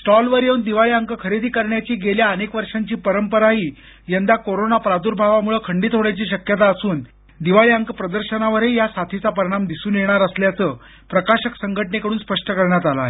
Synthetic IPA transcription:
sʈɔlʋəɾjeund̪iʋaɭiəŋkəkʰəɾed̪ʱiːkəɾɳjat͡ɕiːɡeljaənekʋəɾʂaɲt͡ɕiːpəɾəmpəɾaɦiː | jənd̪akoɾonapɾad̪uːɾbʱaʋamuɭəkʰəɳɖiːt̪ɦoɽjat͡ɕiːɕəkjət̪aəsuːn | d̪iʋaɭiəŋkpɾəd̪əɾɕənaʋəɾejasat̪ʰit͡sapəɾiɽ̃amd̪isuːnjeɽ̃aɾəsljat͡səː | pɾəkaɕəksəŋɡʱəʈɳekəɽuːnspəʂʈəkəɾɳjat̪alae

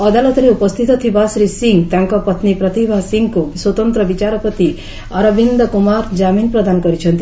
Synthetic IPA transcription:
ʌd̪alɔt̪ɔɾeupɔst̪ʰit̪ɔt̪ʰibasɾisiŋɡt̪aŋkɔpʌt̪nipɾʌt̪ibʱasiŋɡkuswɔt̪ɔnt̪ɾɔbit͡ʃaɾɔpɔt̪i | ʌɾɔbind̪ɔkumaɾd͡ʒaminpɾɔd̪ankɔɾit͡ʃʰʌnt̪i

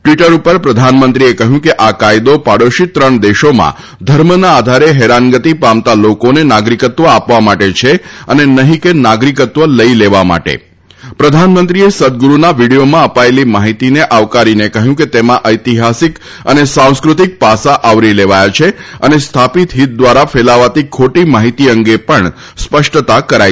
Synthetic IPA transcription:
ʈʋiʈəɾupəɾpɾəd̪ʱanmənt̪ɾiekəɦjũkeʔakajd̪opaɽəʃit̪ɾəɳ̃d̪eʃomã̰ | d̪ʱəɾmənaːd̪ʱaɾeɦeɾanɡət̪ipamt̪alokonenaɡɾikət̪ʋəapʋamaʈet͡ʃʰeənenəɦĩkenaɡɾikət̪ʋələileʋama̰ʈḛ | pɾəd̪ʱanmənt̪ɾiesəd̪̚ɡuɾunaʋiɽijomãəpaelimaɦit̪ineʔaʋkaɾinekəɦjũket̪emãʔəjt̪iɦasik | ənesãw̃skɾut̪ik̚pasaʔaʋɾileʋajat͡ʃʰeənest̪ʰapit̪ɦit̪̚d̪ʋaɾafelaʋat̪ikʰoʈimaɦit̪iəŋɡepəɳ | spəʂʈət̪akəɾaj

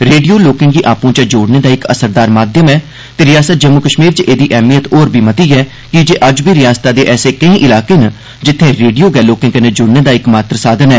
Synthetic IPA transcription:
ɾeːɖijoːloːkɪ̃ŋɡiːʔaːpõːt͡ʃəd͡ʒoːɽneːd̪aːɪkə̰səɾd̪aːɾmaːd̪jəmɛː | t̪eːɾɪjaːsət̪̚d͡ʒəmːokəʃmiːɾt͡ʃʔeːd̪iːʔɛːmijət̪oːɾbʱiːmət̪iːɛː | kɪd͡ʒeːʔəd͡ʒbʱiːɾɪjaːst̪aːd̪eːʔɛːseːkəĩːʔɪlaːkeːn | d͡ʒɪt̪ʰːẽːɾeːɖijoːɡɛːloːkɪ̃ŋɡənəd͡ʒʊːɽneːd̪aːɪkmaːt̪ɾəsaːd̪ənɛː

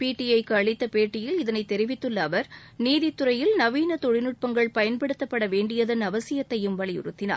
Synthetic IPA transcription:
piːʈːiɐɪkːɯɐɭɪt̪ːɐpeːʈːɪjɪlɪðɐnɐɪt̪ːɛɾɪʋɪt̪ːɯlːɐːʋɐɾ | niːðɪt̪ːɯɾɐjɪlnɐʋiːnɐt̪ɔɻɪnɯʈ̚pɐŋɡɐɭpɐjɐnpɐɽɯt̪ːɐpːɐɽɐʋeːɳɖɪjɐðɐnɐʋɐsɪjɐt̪ːɐjɯmʋɐɭɪjʊ̰ɾɯt̪ːɪna̰ːɾ

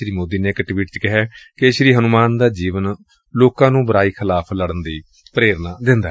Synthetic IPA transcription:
ɾiːmoːd̪iːneːɪkʈʋiːʈ̚t͡ʃkɪɦɛːkeʃɾiːɦənʊmaːnd̪aːd͡ʒiːʋən | loːkãːnũːbəɾaːiːkʰɪlaːpʰləɽənd̪iː | pəɾeːɾnaːd̪ɪ̃nd̪aː

